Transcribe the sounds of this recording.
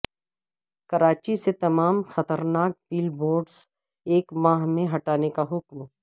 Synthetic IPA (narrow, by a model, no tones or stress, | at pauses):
kɐɾaːt͡ʃiset̪ɐmaːmxɐt̪əɾnaːk̚piːlboːɾɖs | eːkmaːɦmẽɦɐʈaːnekaɦʊkm